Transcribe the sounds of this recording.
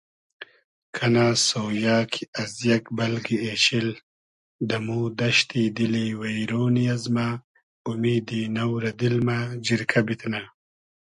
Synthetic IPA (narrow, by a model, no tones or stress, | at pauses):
kʰɐnaːsoːjaːkʰiɐzjɐkbɐlɡieːɕil | d̪ɐmuːd̪ɐʃt̪id̪iliwajɾoːnijazma | ʊmiːd̪inɐwɾɐd̪ilmad͡ʒiɾkʰabit̪na